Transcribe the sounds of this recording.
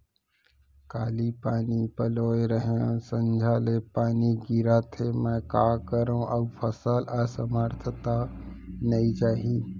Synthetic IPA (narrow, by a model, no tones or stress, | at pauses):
kaːlipaːnipəloːeɾəɦõsə̃nd͡ʒʱaːlepaːniɡiɾat̪ʰemɛ̃ːkaːkəɾõʔɐbfʰəsəlasəmaːɾt̪ʰət̪anəit͡ʃaːɦĩː